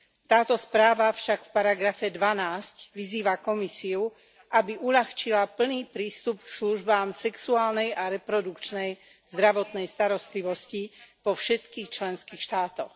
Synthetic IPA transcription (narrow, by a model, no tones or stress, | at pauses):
t̪aːt̪ɔspɾaːʋafʃakfpaɾaɡɾafɛd̪ʋanaːscʋiziːʋakɔmisiu | ʔabiʔuʎaxt͡ʃilapl̩niːpɾiːst̪upksluʒbaːmsɛksuaːlnɛjʔaɾɛpɾɔd̪ukt͡ʃnɛj | z̥d̪ɾaʋɔt̪nɛjst̪aɾɔst̪liʋɔscipɔfʃɛt̪kiːxt͡ʃlɛnskiːxʃt̪aːt̪ɔx